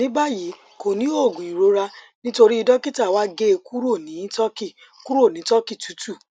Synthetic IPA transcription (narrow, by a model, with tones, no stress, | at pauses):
nĩ˦ba˦ji˨˦ | ko˨nĩ˦o˦˨ɡũ˨ĩ˨ɾo˨˧ɾa˧ | nĩ˦to˧ɾi˦i˧dɔ˦ki˦ta˦˨wa˦ɡe˦˧ku˦ɾo˦˨nĩ˨˦tɔ˦ki˦˨ | ku˦ɾo˦˨nĩ˨˦tɔ˦ki˦˨tu˨˦tu˦˨